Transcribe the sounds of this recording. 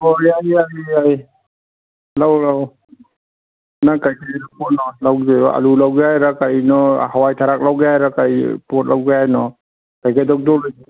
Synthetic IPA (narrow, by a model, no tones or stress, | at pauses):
ɔaiajiaj | lawlaw | nakajkʰajɾapɔnɔlawdɔj̰a̰lulawɡajɾakajnɔhawajtʰaɾak̚lawɡajɾakajpɔt̚lawɡeajnɔ | kajkʰajdɔwk̚dɔlɯji